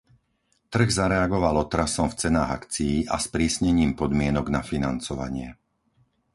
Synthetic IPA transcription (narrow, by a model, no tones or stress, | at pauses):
t̪r̩ɣzaɾɛaɡɔʋalɔt̪ɾasɔmft͡sɛnaːɣakt͡sijiʔaspɾiːsɲɛɲiːmpɔd̪mɪɛnɔɡnafinant͡sɔʋa̰ɲɪɛ